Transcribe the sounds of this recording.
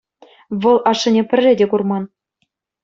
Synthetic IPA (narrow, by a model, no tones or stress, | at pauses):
ʋɤ̆lˠʔɑʂːɤ̆nʲepʲɘ̆rʲːĕdʲekurmɑn